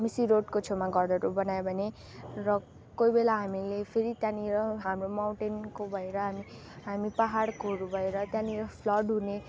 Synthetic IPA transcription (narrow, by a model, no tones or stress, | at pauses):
misiɾoʈkot͡sʰomaɡʌrd̪ʌɾobʌnajebʱʌne | rʌ | kojbelaɦamilepʰeɾit̪jãniɾʌɦamromawɳʈenkobʱʌeɾʌɦami | ɦamipaɦaɽkʰoɾubʱʌeɾʌt̪jãniɾʌpʰlʌɖɦune